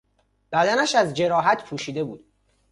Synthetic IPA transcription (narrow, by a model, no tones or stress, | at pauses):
b̥æd̪ænæʃæzd͡ʒe̞ɾɒːɦæt̪ʰpʰuːʃiːd̪e̞buːd̪̥